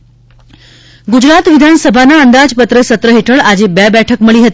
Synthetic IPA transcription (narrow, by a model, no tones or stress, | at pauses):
ɡud͡ʑɾat̪ʋid̪ʱanəsəbʱanaənd̪ad͡ʑpət̪ɾəsət̪ɾəɦeʈʰəɭad͡ʑebɛbɛʈʰəkməɭiːɦət̪